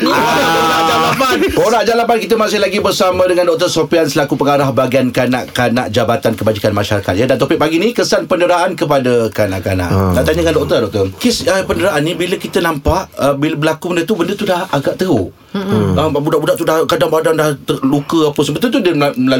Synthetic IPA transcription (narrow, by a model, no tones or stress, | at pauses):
aoɾaʔd͡ʒaapanoɾaʔd͡ʒalapankit̪̬əmasɪhlaɡibərsamãdəŋandɔʔ̚t̪əsopiansəlakupəŋaɾahbaɡiankana̰ʔkana̰ʔd͡ʒabat̪ankəbad͡ʒikanmaʃaɾaka̰t̪̚jədant̪opɪʔ̚paɡinĩkəsanpəndəɾaʔankəp̬adakanaʔkana̰ʔt̪aʔt̪aɲəkandɔʔ̚t̪ərdɔk̚t̪ɔkɪsəpəndəɾaʔanːĩbiləkit̪ənampaʔəbiləbəlakubəndət̪ubəndət̪udahaɡaʔt̪əɦu | əbudaʔbudaʔt̪udahkadaŋpadaŋdaht̪əlukəapəsəmbət̪ːət̪udəmməla